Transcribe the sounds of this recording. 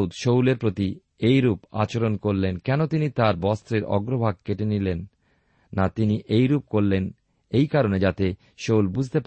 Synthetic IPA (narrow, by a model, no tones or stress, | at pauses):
d̪ʃowleɾpɾot̪i | ejɾupa̰t͡ɕoɾonkoɾlenkɛnot̪init̪aɾbɔst̪ɾeɾɔ̰ɡɾobʱaɡ̚keʈenilenː | at̪iniʔejɾup̚koɾlen | ejkaɾoned͡ʑat̪e | ʃowlbud͡ʑʱt̪ep